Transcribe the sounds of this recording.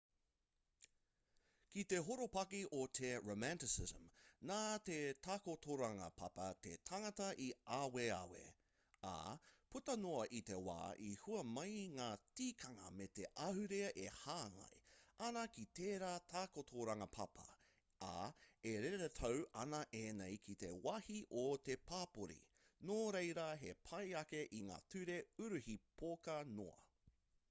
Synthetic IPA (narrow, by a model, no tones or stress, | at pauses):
kit̪e̞ɦoɾopɐkiʔot̪ʰeɹomæntɪsɪzə̰mnaːt̪etʰakotʰoɾɐŋɐ̰pʰɐ̰pɐt̪ḛtʰɐŋɐtɐʔiaːwea̰wḛ | a̰putɐnoɐʔit̪e̞wa̰ːʔihuɐmɐjŋaːt͡siːkʰɐŋɐ̰met̪eʔɐhʉɾeɐʔehaːŋɐ̰jɐnɐkit̪eːɾaːtʰaːkotʰoɾɐŋɐpʰɐpʰɐ̰ | a̰eɾeɾetʰowɐnɐʔenejkʰit̪e̞wɐhiʔot̪epʰaːpoɾḭ | noːɾejɾɐɦepʰɐjɐkeʔiŋa̰ːtʉɾeʉɾʉhipʰokɐno̰ɐ̰